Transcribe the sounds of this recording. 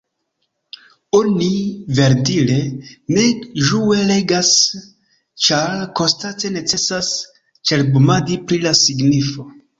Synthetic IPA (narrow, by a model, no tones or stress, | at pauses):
onive̞ɾdile̞ne̞ʒuwe̞le̞ɡas | t͡ʃaɾko̞stat͡se̞ne̞t͡se̞sas | t͡ʃe̞ɾbumadipɾilasiɡnifo̞